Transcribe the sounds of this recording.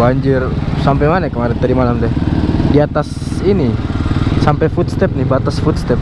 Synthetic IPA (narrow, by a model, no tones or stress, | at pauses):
baɲd͡ʒɪrsampejmanakəmaɾɛnt̪əɾimalamd̪ɛhdiat̪as | ini | sampɛjfut̪̚st̪ɛp̚nibat̪asfut̪st̪ɛp̚